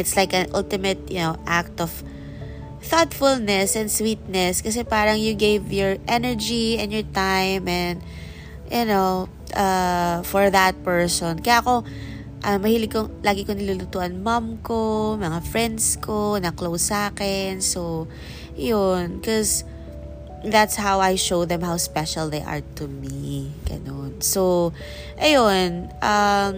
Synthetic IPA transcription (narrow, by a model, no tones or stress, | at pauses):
ʔɪt̪slajkɐnʔʊlt̪ɪmɐt̪̚jʊnowʔak̚t̪ɔv̥ | θɔt̪fʊlnɛsɛ̃nswit̪̚nɛskɐs̬ɛpaːɾɐŋjʊɡejvjɔɹʔɛnɛɹd͡ʒiɛ̃njɔɹt̪ajmɛ̃nd̪ | jʊnow | ʔɐfɔɹðɐt̪̚pɛɹsɔnkɐjaːʔko̞ | ʔɐmɐhiːlɪɡ̚kolaːɡɪkonɪlulut̪uːʔɐnmɐmkomɐŋafɹɛnd̪skʰonɐklowsaːkɛnsow | jonkɔs | ðat̪shawajʃowðɛ̃mhawspɛʃɐlˠðejʔɐ̰ɹt̪umiɡ̥ɐ̰nonsow | ʔɐjonʔɐm